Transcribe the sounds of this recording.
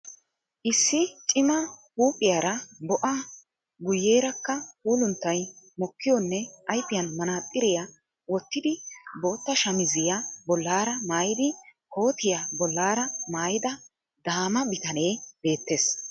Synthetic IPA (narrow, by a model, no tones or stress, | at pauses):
ʔɪsːɪt͡ʃʼɪmɐhuːpʼːɪjaːɾɐbɔʔɐ | ɡʊjːeːɾɐkːɐhuːlʊnt̪ːɐjmɔkːɪjɔnːɛʔɐjpːɪjɐnmɐnaːt̪ʼːɪɾɪjɐ | wɔt̪ːɪd̪ɪbo̞ːt̪ːɐʃɐmɪzɪjɐbɔlːaːɾɐmaːjɪd̪ɪko̞ːt̪ɪjabɔlːaːɾɐmaːjɪd̪ɐ | d̪aːmɐbɪt̪ɐne̞ːb̥e̞ːt̪ːe̞ːs